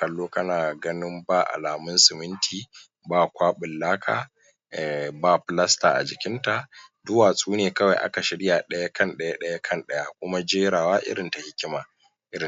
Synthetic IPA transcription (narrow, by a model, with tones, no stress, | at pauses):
kɐ˨lːoː˦kɐ˦naː˨ɡɐ˦nɪ˦mbaː˦˨ʔa̰˨laː˨mʊ˦nsɪ˨mɪ˦ntʰiː˨ | baː˦˨kʷaː˦ɓɪ˨lːaː˦kʰa̰ː˨ | ɛ˨baː˦ɸɪ˦˨lɐ˦sta̰ː˨ʔa̰˨d͡ʒɪ˨kʲɪ˦nta˨dʊ˦waː˨sʼuː˦neː˨kɐ˦wa˨jʔa̰˦ka˨ʃɪ˨ɽɪ˦jaː˨ɗɐ˦ja˦kɐ˦nɗɐ˦ja˦ɗɐ˦ja˦kʰɐ˦nɗɐ˦ja˦kʷʊ˦ma˦d͡ʒeː˦ɾaː˨waː˦ʔɪ̰˦ɽɪ˨nta˨hɪ˦kʲɪ˦maː˨ | ʔɪ˦ɾɪ˨